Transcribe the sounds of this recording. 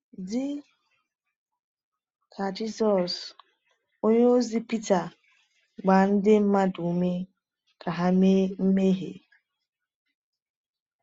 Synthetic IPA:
dɪ˦ | kʰa˨d͡ʒi˦sɔ˨s | o˦ɲe˦o˦zi˦pi˦ta˨ | ɡ͡ba˨n̩˦dɪ˦m̩˦ma˦du˨˦me˦ | ka˨ɦa˦me˦m̩˦me˦ɦḛ˨

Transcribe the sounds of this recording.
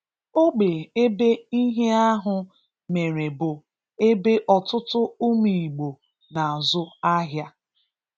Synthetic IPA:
o˦ɡ͡be˨e˦be˦i˦ɦe˦a˦ɦʊ˨ | me˨ɾe˨bʊ˨ | e˦be˦ʔɔ˨tʊ˦tʊ˦ʊ˦mi˨i˨ɡ͡bo˨ | na˨a˨zʊ˦a˦ɦja˦

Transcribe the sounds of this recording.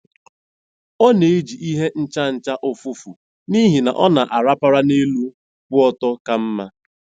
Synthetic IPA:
ɔ˦ne˨e˦d͡ʒi˨ʔi˦ɦe˦n̩˦t͡ʃa˦n̩˨t͡ʃa˦ʔʊ˨fʊ˦fu˨ | ni˦ɦi˨na̰˨ʔɔ˦na˨ʔa˨ɾa˦pa˦ɾa˦ne˦lu˦ | kʊ˦ɔ˦tɔ˦ka˦m̩˦ma˦

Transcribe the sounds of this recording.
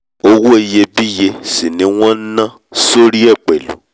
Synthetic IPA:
o˧wu˦e˨je˧bi˦je˧si˨nĩ˨˦w̃ɔ̃˦n̩˦nã˦ | so˦ɾi˦ɛ˦˨k͡pe˨lṵ˨

